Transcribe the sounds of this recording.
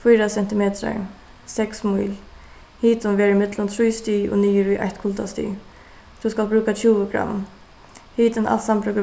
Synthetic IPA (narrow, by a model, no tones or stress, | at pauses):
fujɾasɛn̥t̪ɪmɛːt̪ɾa̰ɹ | sɛksmujl | hiːt̪ʊnʋeːɹɪmɪt̪lʊnt̪ʰɾujst̪iːo̰niːəɾuʔa̰jht̪kʰʊlt̪a̰st̪ḭː | t̪ʰuskalbɾʉːkat͡ɕʰuːʋəɡɾa̰m | hiːt̪ɪnʔa̰lt̪sampɾœːkə